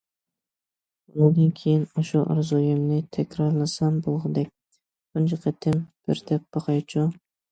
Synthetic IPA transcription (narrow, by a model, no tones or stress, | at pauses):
nʊd̪ɨnkʲʰejinɑʃuʔɑ̰ɾzujɪmnɪt̪ʰɛkʲɾɑɾlˠɨsɑmbolˠʁɨd̪ɛk̚ʲ | bʊnd͡ʒɨqʰət̪ʰɪmb̥ɪɾd̪ʰɛpb̥ɑqɑjt͡ʃʰu